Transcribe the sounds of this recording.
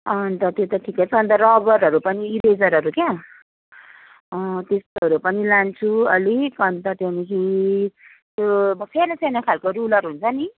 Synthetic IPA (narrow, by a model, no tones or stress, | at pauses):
ʌnt̪ʌt̪jot̪ʌʈʰikʌt͡sʰʌʌnt̪ʌrʌbʌɾɦʌɾupʌniiɾed͡zʌɾɦʌɾukja | ʌt̪est̪oʌɾupʌnilant͡sʰuʌ̰likʌnt̪ʌt̪onikʰi | t̪jomʌpʰeɾasenakʰalkoɾulʌɾuɦunt͡sʰʌni